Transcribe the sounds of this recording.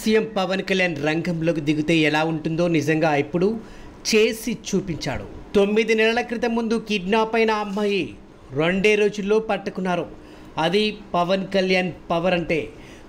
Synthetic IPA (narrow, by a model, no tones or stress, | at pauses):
sijɐmpɐʋɐnkɐljaːnɾɐŋɡɐmlo̞ːk̬id̪iɡut̪e̞ːɛlaːuɳʈund̪o̞ːnizɐŋɡaːipːuɽu | t͡ʃe̞ːsit͡ʃuːpiɲt͡ʃa̰ːɽṵt̪o̞mːid̪inɛlɐlɐkɾit̪ɐmːund̪ukiɖnaːpɐjnɐːmːaːji | ɾo̞ɳɖeːɾo̞ːd͡ʒulːo̞ːpɐʈːɐkunːaːɾu | ɐd̪ipɐʋɐnkɐljaːnpɐʋɐɾɐɳʈe̞ː